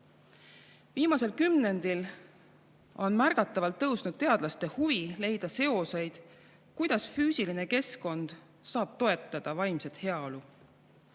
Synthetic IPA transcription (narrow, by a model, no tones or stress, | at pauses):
viːmɑse̞lkymne̞nd̪il | o̞̰nmærɡ̥ɑt̪ˑːɑvɑlt̪ːɤwsnud̪̥̚t̪e̞ɑd̪̥lɑst̪e̞huvile̞jd̪̥ɑse̞o̞se̞jd̪̥ | kujd̪̥ɑsfyːsiline̞ke̞sko̞nd̪̥ | sɑːb̥̚t̪o̞e̞t̪ˑːɑd̪̥ɑvɑjmset̪he̞ɑolu